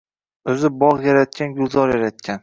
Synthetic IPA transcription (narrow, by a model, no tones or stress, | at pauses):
ɵzɪbɒʁjaɾat̪̚kʲanɡʊlˠzɒɾjaɾat̪̚kʲan